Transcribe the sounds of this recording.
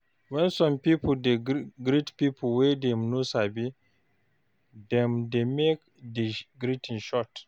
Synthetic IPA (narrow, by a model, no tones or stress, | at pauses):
wɛ̃nsɔ̃mpipuldeɡɾitpipʰulwedɛmnosabi | dɛ̃mdemek | deɡɾitĩnʃɔt